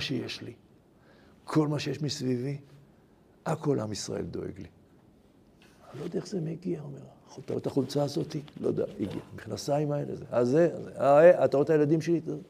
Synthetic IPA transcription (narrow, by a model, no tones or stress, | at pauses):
ʃejeʃli | kʰo̞lmaʃejeʃmisvivi | akʰo̞lʔamisʁa̰ḛld̪o̞̰ḛɡli | lojodaezemeɡiaomeʁaot̪aot̪aχult͡saːzo̞t̪ilo̰d̪ea̰iɡiamiχnasaimaelḛzḛazeazeaeʔat̪aʁot̪ajelad̪imʃeli